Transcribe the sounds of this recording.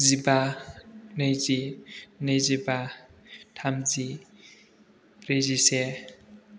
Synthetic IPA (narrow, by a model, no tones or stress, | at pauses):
ziba | nəjzinəjziba | ʈʰamd͡zi | ɾezise